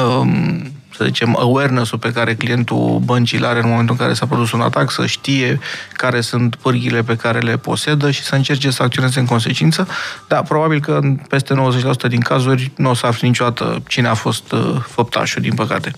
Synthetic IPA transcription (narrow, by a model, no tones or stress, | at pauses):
ə | səzḭt͡ʃe̞mə̰wernesulpe̞kaɾe̞klije̞nt̪ṵbənt͡ʃilaɾeɨnmo̞ment̪ulɨŋkaɾe̞sapɾo̞d̪usuna̰t̪aksə̰ʃt̪ije̞kaɾe̞sunt̪pɨrɡʲile̞pe̞kaɾe̞le̞po̞̰se̞d̪əʃi̥səɨnt͡ʃe̞rt͡ʃe̞səakt̪sioneze̞ɨŋk̬o̞ns̬e̞t͡ʃint̪səd̪apɾo̞babilkənpe̞st̪e̞nowəzet͡ʃʲlas̬u̥t̪əd̪iŋkazurʲnuosaaflinit͡ʃod̪at̪ə̰t͡ʃineafo̞st̪fəp̚t̪ʰa̰ʃud̪inpəka̰t̪e̞